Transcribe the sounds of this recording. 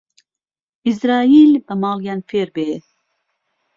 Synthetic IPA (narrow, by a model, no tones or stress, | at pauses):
izɾaːilbamɑlˠɡænfeɾbeː